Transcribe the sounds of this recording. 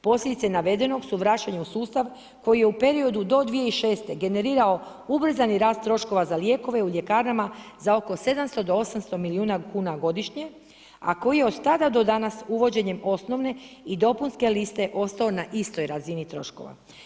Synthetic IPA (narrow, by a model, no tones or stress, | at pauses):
po̞slʲed̪it̪senaʋe̞d̪e̞no̞ɡsuʋɾat͡ɕaɲeusuːst̪aʋ | ko̞jijeupe̞ɾio̞d̪ud̪o̞d̪ʋijeiʃe̞ːst̪e̞ɡe̞ne̞ɾiːɾao̞ | ubr̩zaniɾaːst̪ːɾo̞ʃko̞ʋazalje̞ːko̞ʋe̞uʎe̞kaːɾamazao̞ko̞se̞d̪amst̪od̪o̞o̞samst̪o̞miliuːnakuːnaɡo̞d̪iʃɲe̞ | a̰ko̞jijeo̞d̪t̪ad̪ad̪o̞d̪anasuʋo̞d͡ʑe̞ɲe̞mo̞sno̞ʋne̞id̪o̞punske̞list̪e̞ʔo̞st̪ao̞naʔist̪o̞jɾazinit̪ɾo̞̰ʃko̞̰ʋa̰